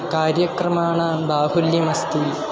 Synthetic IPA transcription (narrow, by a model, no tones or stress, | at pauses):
kaːɾjɐkrɐmaːɳabaːhuljɐmɐst̪il